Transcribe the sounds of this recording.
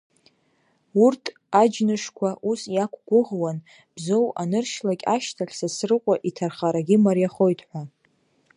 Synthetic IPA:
urtʰ | ad͡ʒnɨʂkʷʰaʔusjakʷʰʼɡʷʊʁwan | b̥zo̞wanɨrʃlakʲʼaʃtʰaɬʲsasrɨqʷʼaʔitʰarχaɾaɡʲɪmarjaχo̞jtʼʰħʷa

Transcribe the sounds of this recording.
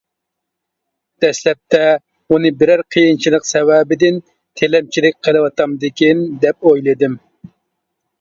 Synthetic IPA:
d̪̥ɛslɛp̚t̪ʰɛ | unɨbɪɾæɾqʰəjɨnt͡ʃʰilˠəqsɛwɛbɪd̪ɪn | t̪ʰelɛmt͡ʃʰilɪk̚ʲqʰəlˠɨwɑt̪ʰɑmd̪ɪkʲind̪ɛp̚ojlˠɨd̪ɪm

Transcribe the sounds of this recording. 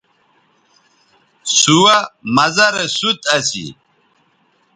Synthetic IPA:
suwamɐzɐɾesut̪ɐsḭ

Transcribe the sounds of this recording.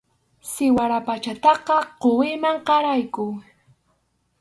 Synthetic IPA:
sɪwaɾapat͡ʃat̪ɑqɑqowɪmaɴqɑɾajkʊ

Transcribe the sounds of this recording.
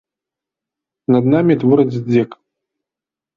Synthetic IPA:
nɐd̪namʲit̪vɨɾɐd͡zʲd͡zʲɛk

